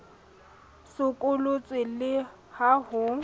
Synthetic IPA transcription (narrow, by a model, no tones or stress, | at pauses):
sʊkʼʊlʊt͡sʼwɪlɪ | hahʊ